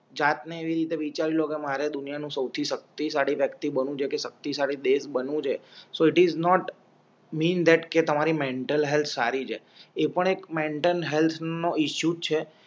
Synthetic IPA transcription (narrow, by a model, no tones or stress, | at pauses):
d͡ʒat̪neːʋiɾit̪eʋit͡ʃaɾilokemaɾed̪ʊnijanũsəwt̪ʰiʃək̚t̪isaɽiʋjəkt̪ibənũt͡ʃʰekeʃək̚t̪isaɽid̪esbənũt͡ʃʰesoɪʈiznɔʈ | miːnd̪ɛʈket̪əmaɾimeɳʈəlɦelt̪ʰsa̰ɾit͡ʃʰḛ | epəɳekmeɳʈənɦelt̪ʰnoiʃjut͡ʃʰe